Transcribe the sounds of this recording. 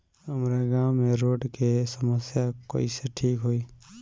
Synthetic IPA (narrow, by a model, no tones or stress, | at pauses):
ɦəmɾaɡawmeɾoɖkesəməsjako̰iseʈʰiːkɦoi